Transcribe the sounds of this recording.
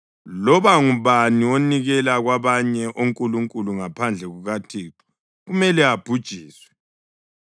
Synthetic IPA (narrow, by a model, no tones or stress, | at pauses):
lɔβaŋuβaniwoniɣɛlaɣwaβaɲɛʔoŋkʼuluŋkʼuluŋapʰand͡ɮʱɛɣuɣatʰiːǁu̥ | ɣumɛlɛab̥ʱud̥ʒ̥ʱiːswɛ